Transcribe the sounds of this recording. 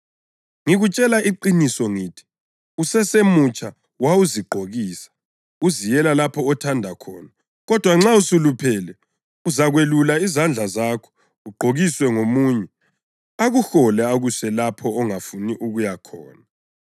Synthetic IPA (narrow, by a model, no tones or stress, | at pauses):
ŋiɣut͡ʃʼɛlaʔiǃinisɔŋiːtʰi̥ | usɛsemut͡ʃʼa | wauziɡ͡ǃʱoɣiːsḁ | uzijɛlalapʰɔːtʰandʱakʰɔ̰ːna | ɣɔd̥ʱwaŋ͡ǁausulupʰɛlɛ | uzaɣwelulaizand͡ɮʱazakʰɔ̥ | uɡ͡ǃʱoɣiswɛŋomuɲɛ | aɣuxɔlɛaɣusɛlapʰɔːŋafuniʔuɣujakʰɔ̰ːna